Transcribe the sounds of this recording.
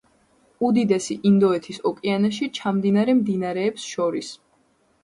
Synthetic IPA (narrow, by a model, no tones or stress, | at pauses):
ud̪id̪ɛsiʔind̪ɔɛt̪ʰisɔkʼianaʃ̬it͡ʃʰamd̪inaɾɛmd̪inaɾɛːpsʃɔɾis